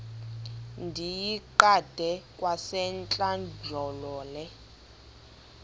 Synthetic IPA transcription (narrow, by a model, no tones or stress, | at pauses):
ndʱijiǃad̥ʱɛkʼwasɛnt͡ɬʼand͡ʒʱɔlɔːlɛ